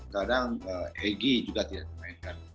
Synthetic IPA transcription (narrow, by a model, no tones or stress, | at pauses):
kadaŋəɛɡid͡ʒuɡat̪idaʔt̪əmaɪnkan